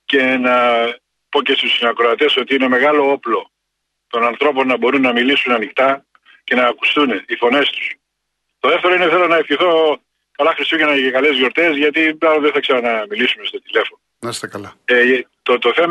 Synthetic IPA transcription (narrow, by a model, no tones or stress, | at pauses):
ce̞nɐ | po̞ce̞st̪usinɐkɾoɐt̪e̞so̞t̪iine̞me̞ɣɐlo̞o̞plo̞ | t̪o̞nɐnθɾo̞po̞nːɐbo̞ɾunːɐmilisunɐnikt̪ɐ | ce̞nɐːku̥st̪unifo̞ne̞st̪u̥s | t̪o̞ðe̞ft̪eɾoineθelo̞nɐefçiθo̞ | kɐlɐxɾisucɐnɐekɐle̞zʝo̞ɾt̪e̞zʝɐt̪iplɐɾoðeθɐkseɾɐnɐmilisumeso̞t̪ile̞fo̞nonɐst̪ekɐlɐt̪ot̪oθem